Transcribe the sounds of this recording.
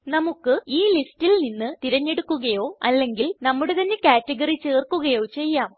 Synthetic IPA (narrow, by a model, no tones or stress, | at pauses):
nɐmukːɨiːlistilninːɨt̪iɾɐɲːe̞ɽukːuɣɐjo̞ːɐlːe̞ŋɡilnɐmːuɽet̪ɐnːe̞kaːtːeɡɐrit͡ɕeːrkːuɣɐjo̞ːt͡ɕe̞jːaːm